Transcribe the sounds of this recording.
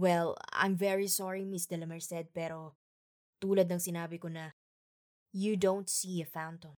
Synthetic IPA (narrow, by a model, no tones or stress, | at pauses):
wɛlã̰jmvɛɹisɔɹimɪsd̪ɛlɐmɛɹsɛd̪̚pɛːɾo̞ | t̪uːlɐd̪̚nɐŋsɪnaːbɪkonɐ | jud̪õw̃nt̪siːɐfãwnt̪õm